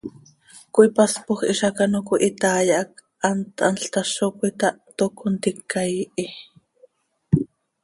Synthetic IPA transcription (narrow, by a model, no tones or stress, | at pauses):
koipaspoχʔḭʃɑkanokoʔit̪aːjɑʔɑk̚ | ʔant̪ɑ̰nɬt̪ɑʃokuit̪ɑʔt̪okont̪ikːajʔi